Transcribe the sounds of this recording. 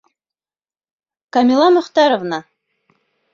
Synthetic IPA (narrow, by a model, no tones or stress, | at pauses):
kɐmʲilˠɑmŏχt̪ɑɾovna